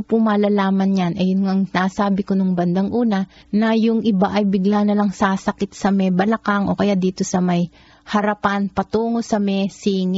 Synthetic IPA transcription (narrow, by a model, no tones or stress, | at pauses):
pʊmɐlalaːmɐnjanʔɐjʊnŋaŋnaːsaːbɪkonoŋbɐnd̪aŋʔuːnɐ | nɐjʊŋʔɪbaʔɐjbɪɡlaːnɐlaŋsaːsɐkɪt̪̚sɐmɛbɐlɐkaŋʔo̞kɐjaʔd̪iːt̪o̞sɐmɐj | hɐɾɐpanpɐt̪uːŋo̞sɐmɛsiːŋɪ